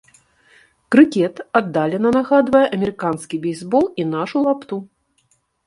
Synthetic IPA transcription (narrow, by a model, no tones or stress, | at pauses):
kɾɨkʲɛt̪ad̪ːalʲɛnɐnaɣad̪vɐjɛʔɐmʲɛɾɨkanskʲibʲɛjzbɔlˠin̪aʂulˠapt̪u